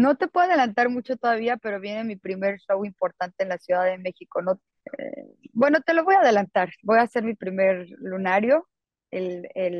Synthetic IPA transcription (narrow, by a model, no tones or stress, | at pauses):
no̞t̪e̞pweðaðe̞lant̪aɾmut͡ʃo̞t̪o̞ðaβiape̞ɾo̞β̞je̞ne̞mipɾime̞ɾʃo̞wimpo̞ɾt̪ant̪e̞ːnlasjuðaðe̞me̞xiko̞no̞ | ḛbwe̞no̞t̪e̞lo̞βo̞jaːð̞e̞lant̪aɾbo̞jase̞ɾmipɾime̞ɾlunaɾjo̞ | elel